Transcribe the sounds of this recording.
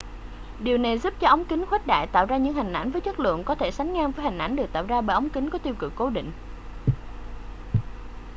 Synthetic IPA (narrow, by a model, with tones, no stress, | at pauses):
ɗi˨˩əwna˨˩jzu˦˥p̚t͡ɕɔ˧ʔə˨˦wŋ͡mki˨˦ŋxwɛ˦˥t̚ɗa̰ː˧˨jt̪a̰ː˧˨wzaː˧ɲɨ̰˧˥ŋhï˨˩ŋ̟ʔa˧˩jn̟vəː˨˦jt͡ɕə˦˥k̚lɨ̰˧˨ənkɔ˨˦t̪ʰe˧˩sa˨˦jŋ̟ŋaː˧ŋvəː˨˦jhŋ̟ʔa˧˩jnɗɨ˨˩k̪̚aː˧˨wzaː˧ɓəː˧˨jʔə˨˦wŋ͡mkï˨˦ŋ̟kɔ˨˦t̪i˧wkɨ˨˩kːo˨˦ɗḭ̈˧˨ŋ̟